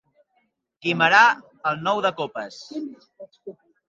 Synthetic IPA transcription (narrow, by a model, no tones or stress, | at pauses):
kiməɾa | əlˠnɔwðəkopəs